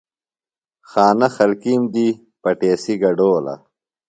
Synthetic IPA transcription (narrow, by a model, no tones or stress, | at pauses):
xaːnɐxɐlkiːmd̪i | pɐʈeːsiɡɐɖoːlɐ̰